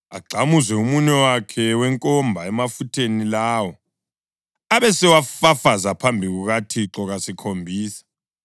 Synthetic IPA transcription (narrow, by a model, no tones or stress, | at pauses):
a̰ɡ͡ǀʱamuzɛumuɲɛwakʰɛwɛŋkʼɔmbʱaɛmafutʰenilaːwɔ | aβɛsɛwafafazapʰambʱiɣuɣatʰiǁɔɣasikʰombʱiːsḁ